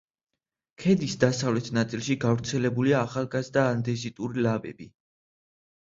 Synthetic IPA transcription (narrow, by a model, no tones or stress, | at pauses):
kʰɛd̪isd̪asavlɛt̪ʰnat̪sʼilˠʃiɡavɾt̪sʰɛlɛbuliaːχalˠɡazd̪aːnd̪ɛzit̪ʼuɾilabɛ̰b̥i